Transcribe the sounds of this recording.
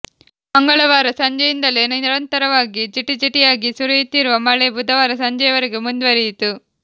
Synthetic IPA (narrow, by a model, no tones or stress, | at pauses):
mɐŋɡɐɭɐʋaːɾɐsɐɲd͡ʒɐjind̪ɐleniniɾɐnt̪ɐɾɐʋaːɡid͡ʒiʈːid͡ʒiʈːijaːɡisuɾujit̪ːiɾuʋɐmɐɭebud̪ʱɐʋaːɾɐsɐɲd͡ʒɐjɐʋɐɾeɡemund̪ʋɐɾijit̪u